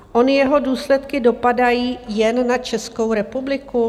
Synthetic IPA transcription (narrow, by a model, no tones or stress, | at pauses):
ʔo̞nɪjɛɦo̞duːslɛt̪kɪdo̞padajiːjɛnːat͡ʃɛsko̞wɾɛpublɪku